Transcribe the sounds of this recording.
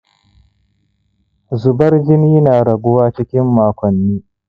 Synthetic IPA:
zʊ˨bɐ˦rd͡ʒɪ˦niː˦naː˨ɽɐ˨ɡʷʊ˦waː˦t͡ʃɪ˦kʲɪ˦mːaː˨kʷɔ˨nːiː˦

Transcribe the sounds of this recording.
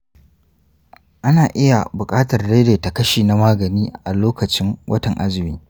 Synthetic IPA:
ʔa˦naː˨ʔɪ˦ja˨bʊ˨kʼaː˦tɐ˨rɽe˦deː˨ta˨kɐ˦ʃiː˨na˦maː˦ɡɐ˨niː˦ʔa˨loː˦kɐ˨t͡ʃɪ˦ŋwʔɐ˦tɐ˨ŋʔa˦zɪ˨miː˦

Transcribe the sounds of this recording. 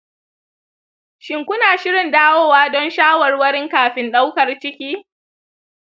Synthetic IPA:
ʃɪ˨ŋkʷʊ˦naː˨ʃɪ˦ɽɪ˨ndaː˦woː˦waː˦dɔ˦nʃaː˦wɐ˨rwɐ˦ɾɪ˦ŋkaː˨ɸɪ˦nɗa˦wkɐ˨rt͡ʃɪ˦kʲiː˦

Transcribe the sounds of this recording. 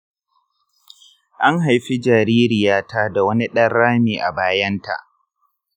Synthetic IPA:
ʔa˦ŋɦa˨jɸi˦d͡ʒaː˨ɾiː˦ɾɪ˨jaː˦tʰaː˦da˨wɐ˦ni˦ɗɐ˦rːaː˦miː˨ʔa̰˨baː˦jɐ˦nta̰˨ʔ

